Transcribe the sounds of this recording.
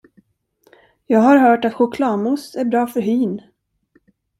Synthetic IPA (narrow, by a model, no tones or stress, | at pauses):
jɑːɡhaɾɦœːʈat̪ɧʊkʰlɑːmʊsæɾbɾɑːfœɾɦyːn